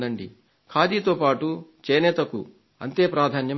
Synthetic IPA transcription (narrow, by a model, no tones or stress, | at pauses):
d̪ɐɳɖi | kʰaːd̪iːt̪oːpaːʈut͡ʃeːnɛt̪ɐkṵ | ɐnt̪e̞ːpɾaːd̪ʱaːnjɐ